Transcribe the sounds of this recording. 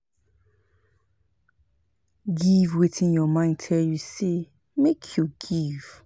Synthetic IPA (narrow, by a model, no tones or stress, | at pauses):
ɡivwetĩnjɔmãɪ̃ndtʰɛljuse | mekʰjuɡiv̥